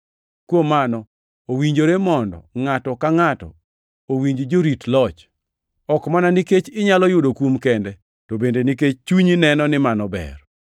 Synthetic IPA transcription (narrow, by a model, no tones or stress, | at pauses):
kwomːanɔ | owiɲd͡ʒoɾemɔndɔ̰ŋatɔkaŋatɔ̰ | owiɲd͡ʒd͡ʒoɾitlɔt͡ʃ | ɔkmananiket͡ʃɪɲalɔjʊdokwumkendɛ | tobendeniket͡ʃt͡ʃuɲinɛnɔnɪmanɔbɛ̰r